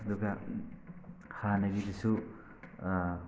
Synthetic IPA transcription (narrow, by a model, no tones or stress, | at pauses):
ɐd̪uɡa | hanɐɡidisu